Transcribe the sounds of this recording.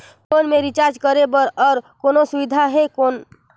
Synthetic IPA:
koːnmẽɾɪt͡ʃaːɾd͡ʒkəɾebəɾɔːɾkoːnosʊʋɪd̪ʱaɦɛkoːn

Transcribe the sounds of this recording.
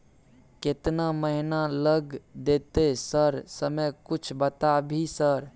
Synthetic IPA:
ket̪naməɦinaləɡd̪et̪esəɾsəməjkʊt͡ʃʰbət̪abʱisəɾ

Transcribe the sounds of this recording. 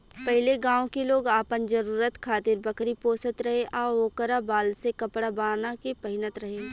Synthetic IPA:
pɐɦɪleɡãːõkeloːɡaːpənd͡ʒɐɾuːɾət̪kʰaːt̪ɪɾbɐkɾipoːsət̪ɾɐɦeʔɔːoːkəɾabaːlsekɐpɽabaːnakepɐɦɪnət̪ɾɐɦeː

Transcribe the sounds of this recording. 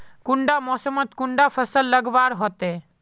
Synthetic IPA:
kʊɳɖamɔːsəmət̪kʊɳɖafʰəsəlːəɡʋaːɾɦɔt̪e

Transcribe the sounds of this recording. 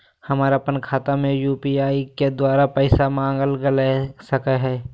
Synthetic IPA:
həmaːɾapənkʰaːt̪amẽjuːpiaːiked̪waːɾapɛɪsamãːŋɡəlɡəlesəkəɦɛː

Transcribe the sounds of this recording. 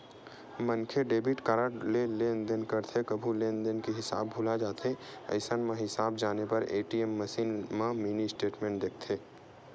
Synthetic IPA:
mənkʰeɖeːbʱɪʈkaɾaʈleleːnd̪ənkəɾt̪ʰekɐbʱulẽːnd̪ənkeɦɪsa̰ːbːʱulad͡ʒaːt̪ʰeɐ̰ɪsənmẽɦɪsaːbd͡ʒaːnepɐɾeːʈiemːɐsiːnmãmiːnisʈeːʈmẽːɳʈ̚d̪eːk̚ʰt̪ʰeː

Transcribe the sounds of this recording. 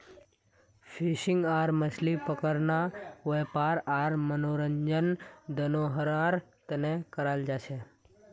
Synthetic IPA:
fʰiʃɪŋɡaɾməslipəkəɾnaepaɾaɾmənoɾəɲd͡ʒənd̪ənoɦəɾaɾt̪ənekəɾald͡ʒaʃe

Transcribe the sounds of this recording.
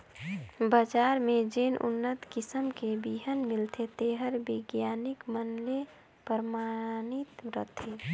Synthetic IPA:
bəd͡ʒaːɾmẽd͡ʒenʔṵnːət̪kɪsəmkebiɦənmɪlt̪ʰet̪eɦəɾbɪɡjaːnɪkmənle | pəɾmanit̪ɾə̰t̪ʰe

